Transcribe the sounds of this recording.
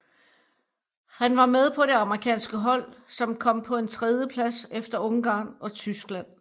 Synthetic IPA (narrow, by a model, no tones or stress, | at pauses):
hænʋɑ̈með̞ˠpʰɒ̽ɾ̥e̝ɑ̈məʁikʰɛ̰ːnsɡ̥əɦɒ̽l̰sɒ̽mkʰɒ̽m̰pʰɒ̽e̝nt͡sʰʁɛð̞ˠjəpʰlæsefd̥ɐɔ̽ŋɡ̥ɑ̈ːnɒ̽t͡sʰysɡ̥læn̰